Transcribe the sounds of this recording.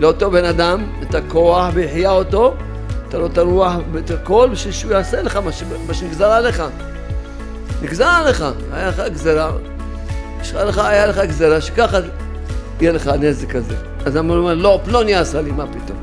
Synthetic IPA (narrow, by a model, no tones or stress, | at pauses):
leot̪o̞benad̪am | etakoaħbeiħjaoto | et̪alo̞taɾuaħbetakolbiʃilʃujaaseleχamaʃemaʃeniɡzaɾaleχa | niɡzaɾaleχa | ajaleχaɡzeɾa | iʃχaleχaajaleχaɡzeɾaʃe̥kaχa | ijeleχanezekazḛ | azamaomeɾloploniaasalimapit̪o̞̰m